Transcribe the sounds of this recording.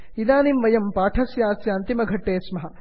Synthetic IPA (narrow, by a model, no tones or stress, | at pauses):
id̪aːnimʋɐjɐmpaːʈʰɐsjaːsjɐɐnt̪imɐɡʱɐʈːeːsmɐɦɐ